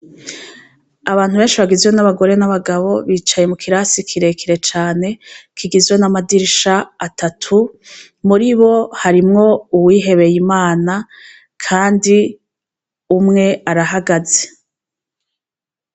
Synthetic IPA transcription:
aβaːn̥huβe̞ːnʃiβaɡizwe̞naβaɡo̞ɾe̞naβaɡaβo̞βiːt͡ʃaje̞mukʰiɾasikʰiɾe̞kʰiɾe̞t͡ʃaːne̞kʰiɡizwe̞namadiɾiʃaːtʰatʰu | muɾiβo̞haɾimŋo̞uwiːɦe̞βe̞jimaːna | kʰaːndi | umŋe̞aɾaɦaɡaze

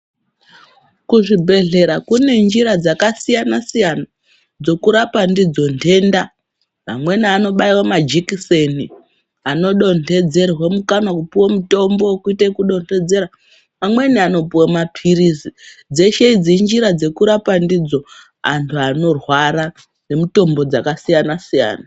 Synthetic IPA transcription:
kuʐibʱe̞ɮe̞ɾakune̞nd͡ʒiɾad͡zakasijanasijana | d͡zo̞kuɾapandid͡zo̞ntʰe̞ːnda | ma̰mwe̞niano̞ɓaiwamad͡ʒikise̞ni | ano̞ɗo̞nte̞d͡ze̞rwamukanakupiwomuto̞mbo̞kuitekuɗo̞nte̞d͡ze̞ɾa | mamwe̞niano̞piwamapʰirisid͡ze̞ʃe̞id͡zind͡ʒiɾad͡ze̞kuɾapandid͡zo̞ | a̰ntʰuano̞rwaɾa | ne̞muto̞mbo̞d͡zakasijanasija̰ːna

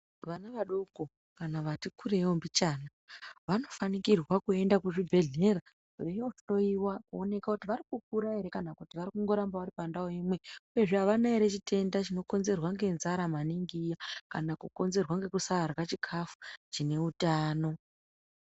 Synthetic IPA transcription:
ʋanaʋaɗoko | kanaʋatikʰuɾeombit͡ʃaːna | ʋano̞fanikirwakue̞ndakuʐibʱe̞ɮe̞ra | ʐoijoʐi̥to̞iwakuo̞ne̞kakutiʋaɾikuk̚uɾaɦe̞ɾe̞kanakutiʋarikuŋɡo̞ɾambaʋaɾipandaoimwe̞uje̞ʐeɦaʋanaeɾe̞t͡ʃitʰe̞ndat͡ʃino̞ko̞nze̞rwaŋɡe̞nzaɾamaniŋɡijakanakuko̞nze̞rwaŋɡe̞kusaːrwat͡ʃikʰafu̥t͡ʃine̞utaːno̞

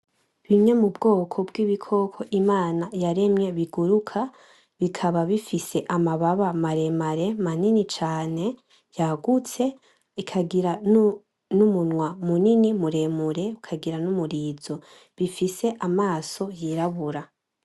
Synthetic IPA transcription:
βiɲe̞mubɡo̞ːkʰo̞bɡiβikʰo̞kʰo̞ʔimaːnajaɾe̞mɲe̞βiɡuɾukʰa | βikʰaβaβifise̞ʔamaβaβamaɾe̞maɾe̞maninit͡ʃaːne̞ | jaɡut͡se̞ | ikʰaɡiɾa | numunwamuninimuɾe̞muɾe̞ukʰaɡiɾanumuɾiːzo̞ | βifise̞ʔamaːso̞jiɾaβuɾa

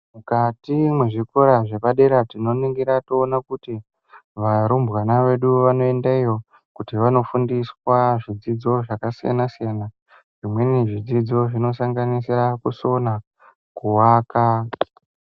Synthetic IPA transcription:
mukatimweʐikoɾaʐe̞paɗe̞ɾatino̞niŋɡiɾatoːnakuti | ʋaɾumbwanaʋe̞ɗuʋano̞e̞ndaijo̞ | kutiʋano̞fundiswaʐid͡zid͡zo̞ʐakasija̰nasijana | ʐimwe̞niʐid͡zid͡zo̞ʐino̞saŋɡanisirakuso̞na | kuwaːka

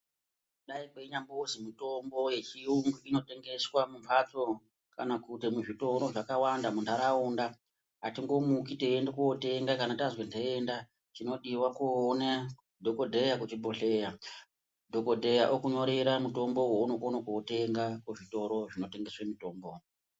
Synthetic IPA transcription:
ɗaikweɲambozimito̞mbo̞je̞t͡ʃiuŋɡuino̞te̞ŋɡe̞swamumpʰat͡so | ka̰nakutimuʐito̞ɾo̞ʐakawandamuntʰaɾauːnda | atiŋɡo̞mukiteːndekuwote̞ŋɡakanatazwendʰeenda | t͡ʃino̞ɗiwakuona | dʱoko̞dʱejakut͡ʃibʱoɬe̞ja | dʱo̞kodʱe̞jaʔokuɲo̞ɾe̞ɾamuto̞mbo̞wounokonokuote̞ŋɡakuʐito̞ɾo̞ʐino̞te̞ŋɡe̞swemito̞ːmbo̞

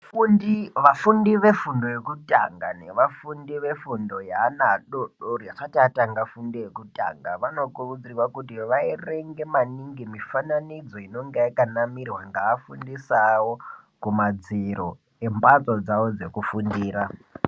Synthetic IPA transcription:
fundiʋafundiʋe̞fundo̞jekuta̰ŋɡa̰ne̞ʋafundiʋe̞fundo̞jaːnaɗoɗorjaʂatiataŋɡafundijekuta̰ŋɡaʋano̞kurud͡zirwakutiʋaireŋɡe̞maniŋɡimifananid͡zo̞ino̞ŋɡeakanamirwaŋɡaːfundisawo | kumad͡ziɾo | e̞mbat͡sod͡zawo̞d͡ze̞kufundiːra

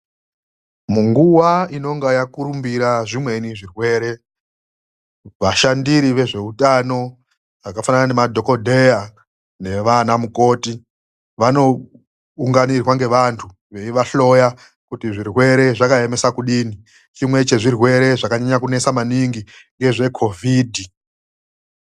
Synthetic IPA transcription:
muŋɡuwaino̞ŋɡajakuɾumbiɾaʐimwe̞niʐirwe̞ːɾe̞ | ʋaʃandiɾiʋe̞ʐe̞utano̞ | ʐakafananane̞madʱo̞ko̞dʱe̞a | ne̞ʋanamuko̞ːti | ʋano̞ | uŋɡanirwaŋɡe̞ʋantʰu | ʋe̞iʋaɬo̞ja | kutiʐirwe̞ɾe̞ʐakae̞me̞sakuɗiːni | t͡ʃimwe̞t͡ʃe̞ʐirwe̞ɾe̞ʐakaɲaɲakune̞samaniŋɡiŋɡe̞ʐe̞kʰo̞vʱiːdʱi

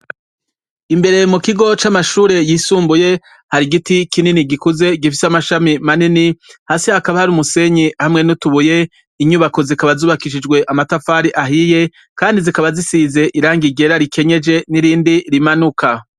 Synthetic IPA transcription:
imbe̞ɾe̞mukiɡo̞t͡ʃamaʃuːɾe̞jisuːmbuje̞ | haɾiɡitikininiɡikuze̞ɡifisamaʃamimaninihaːsihakaβahaɾumuse̞ɲihamŋe̞nutuβuje̞ | iɲuːβako̞zikaβazuːβakiʃid͡ʒɡwe̞ʔamatafaːɾiʔaɦije̞ | kaːndizikaβazisize̞ʔiɾaːŋɡiɡe̞ɾaɾikʰe̞ɲe̞d͡ʒe̞niɾiːndiɾimanukʰa

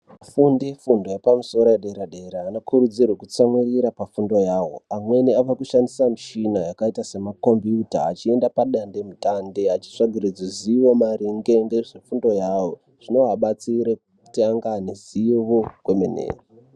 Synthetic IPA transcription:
fundefundo̞jepamuso̞ɾoeɗeɾaɗe̞ɾaːnokʰuɾud͡zirwekut͡samwiriɾapafundo̞jaːwo̞̰amwe̞niaʋakuʃandisamiʃinajakaitase̞mako̞mbiuta̰ːt͡ʃie̞ndapaɗande̞mitandeat͡ʃi̥ʂaɡʱirid͡zoziwo̞maɾiŋɡe̞ŋɡeʐefundo̞jaːwo̞ | ʐ̥inoɦaɓat͡siɾek | u̥taŋɡaneziiʋokwe̞menḛːro

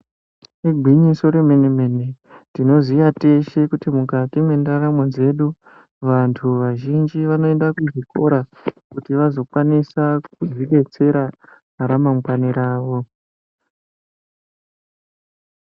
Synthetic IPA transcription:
iɡʱiɲiso̞ɾemeneme̞ne | tino̞zijate̞ʃe̞kutimukatimwe̞ndaɾamond͡ze̞ɗu | ʋantʰuʋaʒind͡ʒiʋano̞e̞ndakuʐiko̞ɾakutiʋazo̞kwanisak̚uziɗe̞t͡se̞ɾaɦaɾamamɡwaniɾaːʋo̞

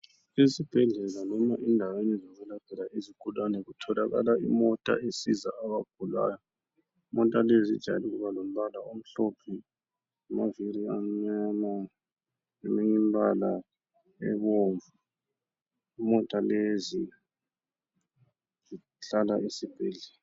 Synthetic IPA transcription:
isib̥ʱɛɮɛlanɔmaʔindʱawenizoɣulad̥ʱɛlaʔiziɡ̥ʱulanɛɣutʰɔlaɣa̰laimɔtʼa̰esiza̰aβaɡ̥ʱula̰ːjɔ | imɔtʼalezid̥ʒ̥ʱa̰liɣuβalom̩βalaum̩ɬɔpʰi | amaviɾiamɲana | ɛmɛŋimbala | ɛ̰βoːɱvu | mɔtʼalezi | zi | ɬalaʔisib̥ʱɛɮɛla

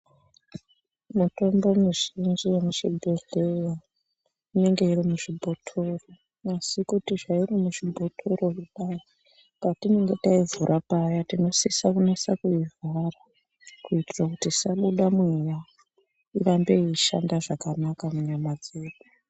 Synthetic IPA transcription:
muto̞mbo̞muʐind͡ʒijemuʃibʱeɮeja | ine̞ŋɡe̞iɾimuʐibʱotʰo̞ro | asikutiʐairimuʐibʱo̞tʰo̞ro̞kuɗai | katine̞ŋɡe̞taivuɾʔapajatino̞sisakunesakuivʱara | kuitirakutisaɓuɗamweja | irambe̞iʃa̰ndaʐakanakamuɲamad͡zeːɗu

